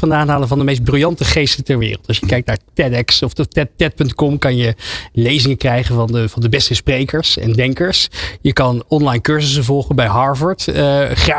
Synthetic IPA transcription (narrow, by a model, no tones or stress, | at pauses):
ɑndaːnɦaːlənvɑndəmejs̬d̚brylˠjɑntəχejstəntɛɹʋɪ̰ːrəlˠtɑsjəkɛjk̚tnaːɹtɛdɛksɔftɛttɛt̚pɵntkɔmkɑnjəlejzɪŋəkrɛjχənvɑnəvɑndəbɛstəsprejkəɹsɛ̰ndɛŋkəɹsjəkɑnɔnlɑjnkøɹzəs̬ənvɔlˠχəbɛjɦɑɹvəɹtəχra